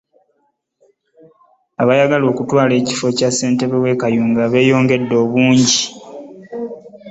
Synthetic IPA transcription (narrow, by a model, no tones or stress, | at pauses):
aβajaɡalo̞ːkutwaːle̞ːci̥fo̞casːe̞ːnte̞βewe̞kajuːŋɡaβe̞ːjo̞ːŋɡe̞dːo̞ːβuːɲɟi